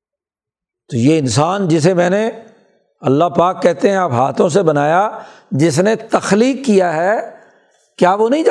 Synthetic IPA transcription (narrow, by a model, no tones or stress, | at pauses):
t̪oːjeːɪnsaːnd͡ʒɪs̬emɛ̃ːne | ɐlːapaːkːɛɦt̪eɦɛ̃ɐpɦaːt̪ʰõs̬ebɐnaːjad͡ʒɪs̬net̪ɐxliːkːijaɦɛ | kjaːʋonɐɦĩd͡ʒa